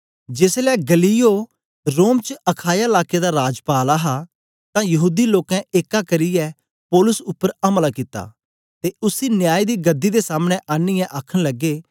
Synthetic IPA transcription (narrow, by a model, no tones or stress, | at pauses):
d͡ʒeːslɛːɡɐlijo | ɾoːmt͡ʃəɐkʰaːjaɪlaːked̪aɾaːd͡ʒpaːlaɦa | t̪ãjɐɦuːd̪iloːkɛ̃ʔeːkakɐɾɪjɛ | pɔːlʊsʊpːəɾɐmlakɪt̪ːa̰ː | t̪eʊsinjaːid̪iɡɐd̪ːid̪esaːməɽ̃ẽʔaːnɪjɛ̃ʔaːkʰəɽ̃lɐɡːeː